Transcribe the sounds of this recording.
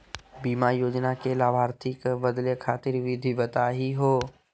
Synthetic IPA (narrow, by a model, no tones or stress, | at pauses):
biːmajoːd͡ʒnakelaːbʱaːɾt̪ʰɪkbəd̪lekʰaːt̪ɪɾʋɪd̪ʱibət̪aɦiɦoː